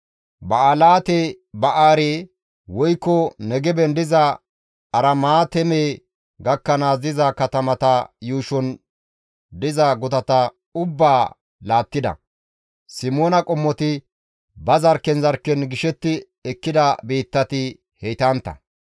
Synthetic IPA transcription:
bɐɐlaːt̪e | bɐʔaːɾeː | wɔjkːɔnɛɡɛbɛnd̪ɪzɐ | ɐɾɐmaːt̪ɛmeː | ɡɐkːɐnaːzɪzɐkɐt̪ɐmɐt̪ɐjuːʃɔn | d̪ɪzɐɡʊt̪ɐt̪ɐ | ʊbːaː | laːt̪ːɪd̪ɐ̰ | sɪmoːnɐkʼɔmːɔt̪ɪ | bɐzɐɾkɛnzɐɾkːɛnɡɪʃɛt̪ːɪ | ɛkːɪd̪ɐbeːt̪ːɐt̪ɪ | hɛjt̪ɐnt̪ːɐ̰

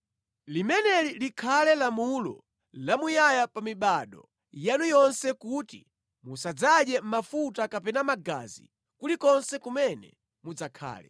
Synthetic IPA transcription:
limɛnɛlilikʰalɛlamulɔ̰ | lamujajapamiɓaɗɔ̰ | janujɔnsɛkutḭ | musad͡zaɗɛm̩mafutakapɛnamaɡa̰zḭ | kulikɔnsɛkumɛnɛ̰ | mud͡zakʰa̰ːlɛ̰

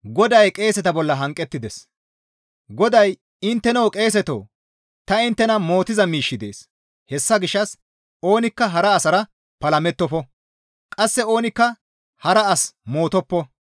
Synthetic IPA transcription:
ɡɔd̪ɐjkʼe̞ːsɛt̪ɐbɔlːɐɦɐŋkʼːɛt̪ːɪd̪ɛs | ɡɔd̪ɐj | ɪnt̪ːɛnɐwkʼe̞ːs̬ɛt̪o̰ː | t̪ɐɪnt̪ːɛnɐmo̞ːt̪ɪzɐmiːʃːɪd̪e̞̰ːs | hɛsːɐɡɪʃːɐs | o̞ːnɪkːɐɦɐɾɐːsɐɾɐ | pɐlɐmɛt̪ːɔfɔ | kʼɐsːɛo̞ːnɪkːɐ | hɐɾɐɐsmo̞ːt̪ɔpːɔ

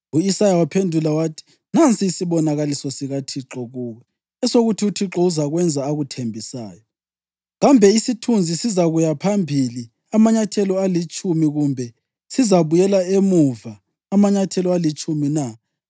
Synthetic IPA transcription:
uisajawapʰendʱulawaːtʰi̥ | nant͡sʼiːsiβɔnaɣalisɔsiɣatʰiǁɔɣuːɣɛ | ɛsoɣutʰiutʰiǁɔuzaɣwɛnd͡zʱaːɣutʰembʱisa̰ːjɔ | ɣambʱɛisitʰund͡zʱisizaɣujapʰambʱili | amaɲatʰɛlɔalit͡ʃʼumiɣumbʱɛ | sizaβujɛlaemuvaː | maɲatʰɛlɔalit͡ʃʼumina

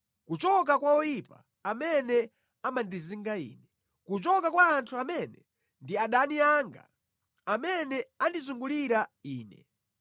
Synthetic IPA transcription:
kut͡ʃɔk̬akwaɔjipa | amɛnɛ | amandiziŋɡaḭːnɛ | kut͡ʃɔkakwaːntʰuamɛnɛ | ndiaɗaniaŋɡa̰ | amɛnɛandizuŋɡuliɾaiːnɛ̰

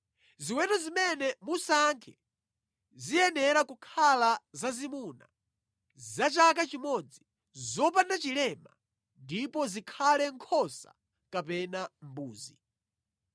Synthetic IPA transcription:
ziwɛnɔzimɛnɛmusaŋkʰɛ | zijɛnɛɾakukʰalazazimuna̰ | zat͡ʃak̬at͡ʃimɔd͡zi | zɔp̬andat͡ʃilɛma | ndipɔzikʰalɛŋkʰɔsa̰ | kapɛnambuːzi

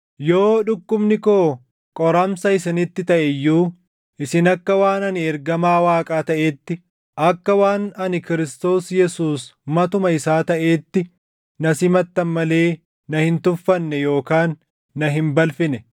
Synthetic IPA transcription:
jo̞ːᶑʊkːʊmnɪkoː | kʼɔɾɐmsɐɪsɪnɪt̪ːɪt̪ɐʔɛjːuː | ʔɪsɪnɐkːɐwaːnɐnɪɛɾɡɐmaːwaːkʼaːt̪ɐʔe̞ːt̪ːɪ | ʔɐkːɐwaːnɐnɪkɪɾɪst̪o̞ːsjɛsuːsmɐt̪ʊmɐɪsaːt̪ɐʔe̞ːt̪ːɪ | nɐsɪmɐt̪ːɐnmɐle̞ː | nɐhɪnt̪ʊfːɐnːɛjo̞ːkaːnː | ɐɦɪmbɐlfɪnɛ

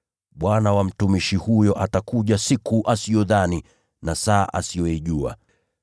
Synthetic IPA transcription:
ɓwanawam̩tumiʃihujɔʔatakuʄasikuʔasiɔðani | nasaːʔa̰siɔiʄua̰

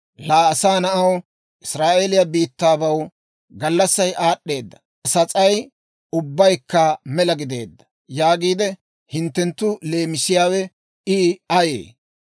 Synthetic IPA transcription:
laːɐsaːnɐʔɐw | ʔɪsɾaːʔelɪjɐbiːt̪ːaːbɐw | ɡɐlːɐsːɐjʔaːɗːe̞ːd̪ːɐ̥ | sɐt͡sʼɐj | ʊbːɐjkːɐmɛlɐɡɪd̪e̞̰ːd̪ːɐ̥ | jaːɡiːd̪ɛ | hɪnt̪ːɛnt̪ːʊle̞ːmɪsɪjaːwɛ | ɪɐjḛː

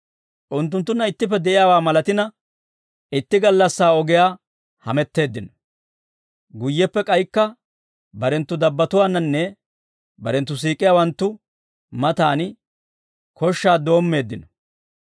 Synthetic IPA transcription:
ʔʊnt̪ːʊnt̪ːʊnːɐɪt̪ːɪp̬ːɛd̪ɛʔɪjaːwaːmɐlɐt̪ɪnɐ | ɪt̪ːɪɡɐlːɐsːaːɔɡɪjaː | hɐmɛt̪ːe̞ːd̪ːɪnɔ | ɡʊjːɛpːɛkʼɐjkːɐ | bɐɾɛnt̪ːʊd̪ɐbːɐt̪ʊwaːnːɐnːɛ | bɐɾɛnt̪ːʊs̬iːkʼːɪjaːwɐnt̪ːʊ | mɐt̪aːn | kɔʃːaːd̪o̞ːmːe̞ːd̪ːɪnɔ̥

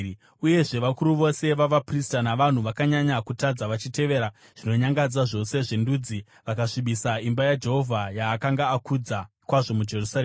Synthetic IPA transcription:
uje̞ʐe̞ʋakuɾuʋo̞se̞ʋaʋapristanaʋan̤uʋakaɲaɲakutad͡zaʋat͡ʃite̞ʋe̞ɾa | ʐ̥ino̞ɲaŋɡad͡zaʐo̞se̞ʐe̞ndud͡zi | ʋakaʂiɓisaimbajad͡ʒe̞ɦo̞vʱajaːkaŋɡaːkud͡za | kwaʐo̞mud͡ʒe̞rusareːma

